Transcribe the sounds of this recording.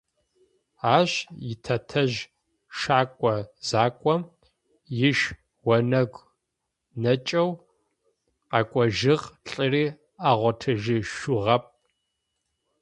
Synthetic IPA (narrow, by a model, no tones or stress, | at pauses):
aːɕjɪtʰɐtʰɐʒ | ʃaːkʷʼɔz̥aːkʷʼɔm | jɪʃ | wɐnɐɡʷ | nɐt͡ʃʼɐw | qɑkʷʼɔʒɪʁɬʼɨriː | aːʁʷɔtʰɨʒɪʃʊʁɐp̚ʼ